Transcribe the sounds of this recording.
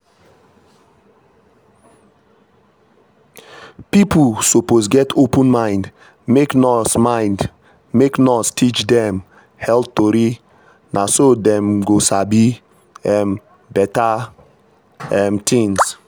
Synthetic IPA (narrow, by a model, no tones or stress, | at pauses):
pipʰusoposɡɛtʰopə̃nmãɪ̃nd | meknɔsmãɪ̃nd | meknɔstʰit͡ʃdɛ̃m | hɛlp̚toɾi | nʔasodɛ̃mɡosabi | ɛm | bɛta | ɛmtʰĩŋs